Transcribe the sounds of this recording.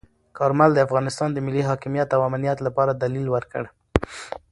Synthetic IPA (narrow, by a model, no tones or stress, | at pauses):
kɑɾmald̪əafɣɑnɪst̪ɑnd̪əmɪlːiɦɑkɪmijat̪awamnijat̪lapɑɾad̪alilwəɾkə̰ɽ